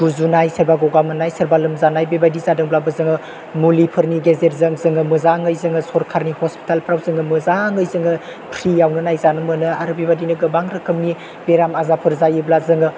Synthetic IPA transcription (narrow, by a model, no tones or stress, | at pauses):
ɡ̥uzunajsəɾbaɡoɡamɯnajsəɾbalɯmzanajbebadizadɯŋblabɯzɯŋɯ | mulipʰɯɾniɡezet̚zɯŋzɯŋɯmɯzaŋəjzɯŋɯsoɾkʰaɾnihospi̥talpʰɾawzɯŋɯmɯzaŋɯjzɯŋɯ | pʰɾijawnɯnajzanɯmɯnɯaɾɯbebadinɯɡɯbaŋɾɯkʰɯmni | b̥eɾamazapʰɯɾzajɯblazɯŋɯ